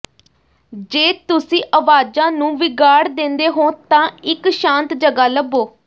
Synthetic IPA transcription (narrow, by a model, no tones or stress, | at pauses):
d͡ʒeːt̪ʊsĩːʔəʋaːd͡ʒãːnũːʋɪɡaːɽd̪ẽnd̪eːɦõːt̪ãːɪkʃãːnt̪d͡ʒəɡaːləbːoː